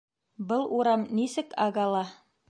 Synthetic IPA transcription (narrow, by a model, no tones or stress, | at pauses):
bɤlˠʔuɾɑmnisɘkɑɡɑlˠɑ